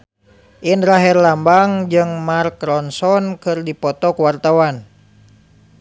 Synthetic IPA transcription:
ʔinɾaɦirlambaŋd͡ʒɨŋmarkɾɔnsɔnkɨrdipɔt̪ɔkuwart̪awan

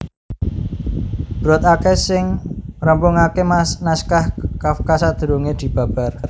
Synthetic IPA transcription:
b̥ɾɔt̪akesɪŋrəmpʊŋakemanaskahkafkasad̪̥ə̤ɾoŋed̪̥i̤b̥ä̤b̥a̤rr

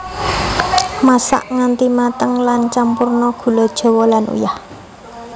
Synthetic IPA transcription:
masa̰ʔŋant̪imat̪əŋlant͡ʃampurnɔɡ̥ṳlɔd̥ʒ̥ɔ̤wɔlanṵjah

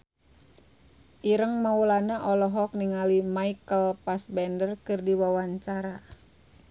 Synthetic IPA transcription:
ʔiɾəŋmaulanaʔɔlɔɦɔk̚niŋalimaikəlpasbɛndərkɨrdiwawaɲt͡ʃaɾa

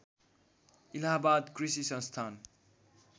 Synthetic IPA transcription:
ilabad̪krisisʌ̃nst̪ʰan

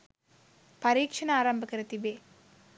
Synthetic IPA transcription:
pɐɾiːkʂɐnaːɾɐmbɐkɐɾɐt̪iʋeː

